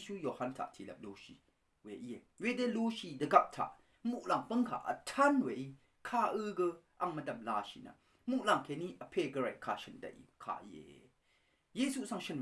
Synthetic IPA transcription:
su˦jo˨ha˧˨ntʰa̰˨ʔtʰi˨lɐ̰˨p̚lo˨˦ʃiː˨ | we˨ʔi˦˨e˨we˨de˦lu˦ʃi˧˨də˨ɡɐ˧˨p̚tʰa̰˨ʔ | mu˧˨ʔla˨ŋpə˦ŋkʰa̰˨ʔə̰˨tʰa˦nwe˨ʔi˧ | kʰaː˧ʔɨ˦ɡə˧ʔa˨ŋmə˨dɐ˨mla˧ʃḭ˨na̰˨ | mu˨ʔla˨ŋkʰe˨ni˦ʔə˨pʰe˧˨ɡə˧ɹa˨ʔkʰa˧˨ʃə˨ndɐ̰˨ʔḭ˨kʰa̰˧˨ʔḭ˧˨ḛ˨ | je˧su˦ʔsa˥˧˨ŋʃə˨n

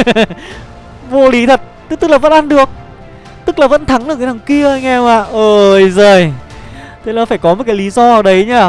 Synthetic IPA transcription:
vo˧li˨˦t̪ʰə˨˩t̚t̪ɨ˦˥k̚t̪ɨ˦˥laː˨˩və̰˧˥nʔa˧nɗɨ˨˩ək̚ | t̪ɨ˦˥k̚laː˨˩və̰˧˥nt̪ʰa˨˦ŋʔɨ˨˩ka˨˦t̪a˨˩ŋ͡mki˧əʔəː˧jŋɛ˧maː˧˨ʔəː˨˩jzoː˨˩j | t̪ʰe˨˦la˨˦faː˧˩jkɔ˨˦m˨˩t̚kaː˨˦jli˨˦zɔ˧ʔəː˨˧˦ɗə˨˦jɲaː˧˩

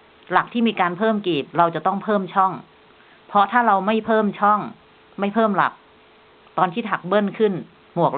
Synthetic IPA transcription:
la˨˩k̚t̪ʰiː˥˩miː˧kaː˧npʰɤː˥˩mkiː˨˩p̚ɾa˧wt͡ɕa˨˩t̪ɔ˥˩ŋpʰɤː˥˩mt͡ɕʰɔ˥˩ŋ | pʰɔ˦˥t̪ʰaː˥˩ɾa˧wma˥˩jpʰɤː˥˩mt͡ɕʰɔ˥˩ŋ | ma˥˩jpʰɤː˥˩mla̰˨˩k̚ | t̪ɔː˧nt̪ʰiː˥˩t̪ʰa˨˩k̚bɤ˥˩nkʰɯ˥˩n | mu˨˩ək̚

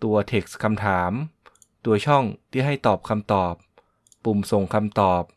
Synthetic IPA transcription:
t̪u˧ɐt̪ʰe˨˩k̚skʰa˧mt̪ʰaː˩˦m | t̪u˧ɐt͡ɕʰɔ˥˩ŋt̪ʰiː˥˩ɦa˥˩jt̪ɔː˨˩p̚kʰa˧mt̪ɔː˨˩p̚ː | u˨˩mso˨˩ŋkʰa˧mt̪ɔː˨˩p̚

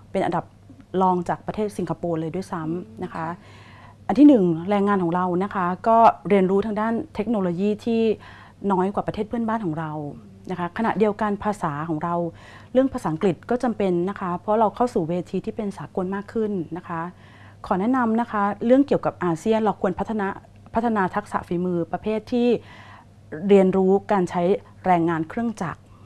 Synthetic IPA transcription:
pe˧nʔa˧nda˨˩p̚lɔː˧ŋt͡ɕaː˨˩k̚pɾa˧t̪ʰeː˥˩t̪̚si˩˦ŋkʰa˧poː˧lɤː˧jdu˥˩˨jsa˦˥mna˦˥kʰa˦˥ | ʔa˧nt̪ʰiː˥˩nɯ˨˩ŋɾɛː˧ŋːaː˧nkʰɔː˩˦ŋɾa˧wna˦˥kʰa˦˥kɔː˥˩ɾi˧ənɾuː˦t̪ʰa˧ŋdaː˥˩nt̪ʰe˦˥k̚noː˧loː˧jiː˥˩t̪ʰiː˥˩ | nɔː˦˥jkwaː˨˩pɾa˧t̪ʰeː˥˩t̚pʰənbaː˥˩nkʰɔː˩˦ŋɾa˧w | na˦˥kʰa˦˥kʰa˧na̰˨˩ʔdi˧əwka˧npʰaː˧saː˩˦kʰɔː˩˦ŋɾa˧w | ɾɯ˥˩əŋpʰaː˧saː˩˦ʔŋkli˨˩t̪̚kɔː˥˩t͡ɕa˧mpe˧nːa˦˥kʰa˦˥pʰɾɔ˦˥ɾa˧wkʰa˥˩wsuː˨˩weː˧t̪ʰiː˧t̪ʰiː˥˩pe˧nsaː˩˦ko˧nmaː˥˩kʰːɯ˥˩nːa˦˥kʰa˦˥ | kʰɔː˩˦nɛ˦˥na˧mna˦˥kʰa˦˥ɾɯ˥˩əŋki˨˩əwka˨˩p̚ʔaː˧si˥˩ənɾa˧wkʰu˧ənpʰt̪ʰːa˧na˦˥ | pʰa˦˥t̪ʰːa˧naː˧t̪ʰa˦˥k̚sa̰˨˩˦fiː˨˩˦mɯː˧pɾa˧pʰeː˥˩t̪ʰːiː˥˩ | ɾi˧ənɾuː˦˥kaː˧nt͡ɕʰa˦˥j | ɾɛː˧ŋːaː˧nkʰɾɯ˥˩əŋt͡ɕa˨˩k̚

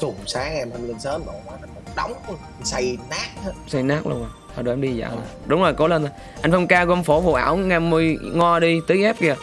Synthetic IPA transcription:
zʊ˨˩ŋ͡msaː˨˦ŋʔɛ˧mt̪ʰa˧mlə˧nsəː˨˦˥nɗo̰˧˨˩mwaː˨˦t̪ʰa˧˩o˨˩ɗa˨˦wŋ͡msa˧jnaː˦˥k̚hə˦sa˧jnaː˦˥k̚lṵ˧ənaː˨˩t̪ʰːɗʔɛ˧ɗi˧za̰ː˧˩a˧˨˩ɗʊ˨˦ŋ͡mzoː˨˩jko˨˦lə˧nt̪o˨˦ | ʔa˧j̟fə˧ŋ͡mkaː˧kɔ˧ʔmfo˧˩fṵ˧˨˩ʔaː˧˩wŋaː˧˩mːɨ˧əjŋɔ˧ɗi˧t̪ɨ˨˦ʔɛ˦˥p̚ki˧˩ə˨˩

